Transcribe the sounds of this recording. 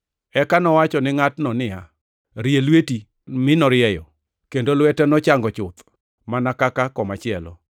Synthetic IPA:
ɛkanɔwat͡ʃɔnɪŋatnɔnɪa | ɾijelweti | mɪnɔɾɪɛjɔ | kendolwɛtɛnɔt͡ʃaŋɡɔt͡ʃʊt̪ | manakakakɔmat͡ʃɪɛlɔ̰

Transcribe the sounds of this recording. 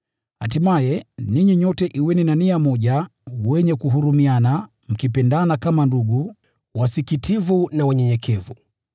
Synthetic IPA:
hatimajɛniɲiɲɔtɛʔiwɛninaniamɔʄawɛɲɛkuɦuɾumiana | m̩kipɛndanakamanduɠu | wasikitivunawaɲɛɲɛkʰɛvu

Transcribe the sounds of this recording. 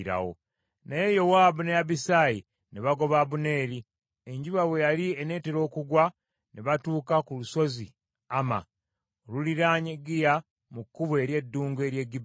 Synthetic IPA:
ɾa̰wo̰ | naje̞jo̞waːbunejaβisaːji | neβaɡo̞βaːβune̞ːɾi | eɲɟuβaβwe̞jaliene̞ːteɾo̞ːkuɡwa | neβatuːkakuluso̞zi | ama̰ | oluliɾaːɲeɡija | mukːuβwe̞ːɾje̞dːuːŋɡwe̞ɾje̞ɡib

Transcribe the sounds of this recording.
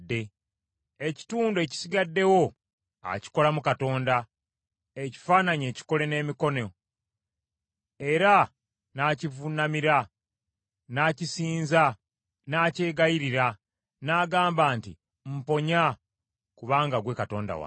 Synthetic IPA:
dːe̞ | eci̥tuːndoe̞ci̥siɡadːe̞wo̞ | a̰ci̥ko̞lamukato̞ːnda | e̞ci̥faːnaɲe̞ːci̥ko̞le̞ne̞ːmiko̞no | e̞ɾa | naːcivunamiɾa | naːcisiːnza | naːce̞ːɡajiɾiɾa | naːɡaːmbaːntḭ | m̩po̞ɲa | kuβaːŋɡaɡwe̞kato̞ːnda̰wa̰

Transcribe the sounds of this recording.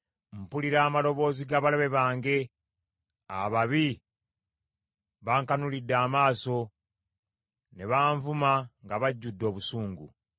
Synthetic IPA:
m̩puliɾaːmalo̞βo̞ːziɡaːβalaβe̞βaːŋɡe̞ | a̰βaβi | βaːŋkanulidːaːmaːso̞ | ne̞βaːɱvumaŋɡaβaɟːudːo̞ːβusuːŋɡṵ

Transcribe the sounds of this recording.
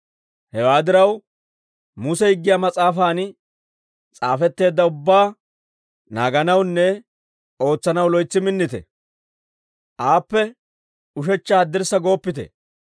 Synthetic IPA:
hɛwaːd̪ɪɾɐw | mʊsɛhɪɡːɪjaːmɐt͡sʼaːfaːn | t͡sʼaːfɛt̪ːe̞ːd̪ːɐʊbːaː | na̰ːɡɐnɐwnːɛ | o̞ːt͡sːɐnɐwlɔjt͡sːɪmɪnːɪt̪ɛ̰ | ʔaːpːɛ | ʊʃ̬ɛt͡ʃːaɐd̪ːɪɾsɐɡo̞ːpːɪt̪ɛ̰

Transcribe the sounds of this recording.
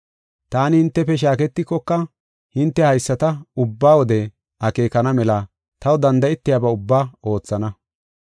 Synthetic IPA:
t̪aːnɪhɪnt̪ːɛpɛʃ̬aːkɛt̪ːɪkːɔkːɐ | hɪnt̪ːɛhɐjsːɐt̪ɐʊbːaːwɔd̪ɛ | ɐke̞ːkɐnɐmɛlɐ | t̪ɐwd̪ɐnd̪ɐɪt̪ːɪjabɐʊbːaːo̞ːt͡sːɐnɐ

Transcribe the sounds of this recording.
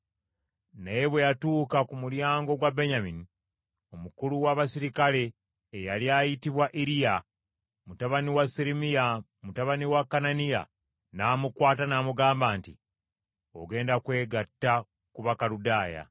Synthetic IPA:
najeβwejatuːkakumuljaːŋɡo̞ɡwabe̞ɲamini | o̞mukuluwaβasiɾikale̞ː | jaljajitiβwaʔiɾija | mutaβaniwasiɾimija | mutaβaniwakːananija̰ | naːmukwaːtanaːmuɡaːmbaːnti | o̞̰ɡe̞ːndakwe̞ːɡatːa | kuβakaɾudaːja̰

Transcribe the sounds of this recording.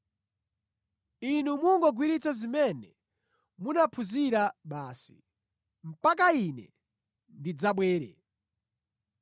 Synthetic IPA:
inumuŋɡɔɡwiɾit͡sazimɛnɛ | munapʰuziɾaɓaːsi̥̰ | m̩pak̬ainɛ | ndid͡zaɓwɛːɾɛ̰

